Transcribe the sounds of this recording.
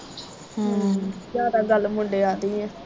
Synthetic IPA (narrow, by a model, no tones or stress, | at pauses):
zjaːd̪aːɡəlmʊɳɖeːaːɾiːɦɛ̃ː